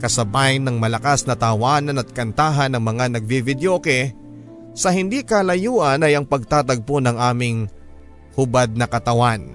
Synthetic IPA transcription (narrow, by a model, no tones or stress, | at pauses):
kɐsɐbajnɐŋmɐlɐkasnɐt̪ɐwaːnɐnɐt̪̚kɐnt̪aːɦɐnɐŋmɐŋanɐɡ̚bivɪd̪joːkɛ | sɐhɪnd̪ikɐlɐjuːʔɐnɐjɐŋpɐɡ̚t̪aːt̪ɐɡ̚ponɐŋʔaːmɪŋ | hʊbad̪̚nɐkɐt̪ɐwan